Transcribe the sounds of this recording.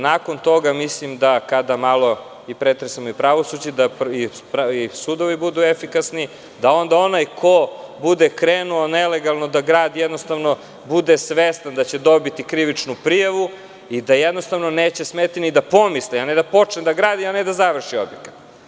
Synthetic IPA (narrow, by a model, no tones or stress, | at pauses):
nako̞nt̪o̞ɡamislimd̪akad̪amalo̞ | ipɾet̪ɾesamoipɾaʋo̞sud͡ʑed̪apipɾaisud̪oʋibud̪uefikasni | d̪ao̞nd̪ao̞najkʰobud̪ekɾeːnuoneleɡalˠno̞d̪aɡɾaːd̪ijed̪no̞st̪aʋno̞ | bud̪esʋest̪and̪at͡ɕe̞d̪o̞bit̪ikɾiʋit͡ʃnupɾijaʋu | id̪ajed̪nost̪aʋno̞neːt͡ɕesmet̪inid̪apo̞mislianed̪apo̞t͡ʃned̪aɡɾaːd̪ianed̪azaʋr̩ʃiobjekḁt̪